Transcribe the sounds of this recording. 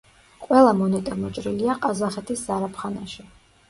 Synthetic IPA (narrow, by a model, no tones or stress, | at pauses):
qʼwɛlˠamɔnɛt̪ʼɛɾmɔt͡ʃʼɾiliaqʼazaχɛt̪ʰiszaɾapʰχanaʃi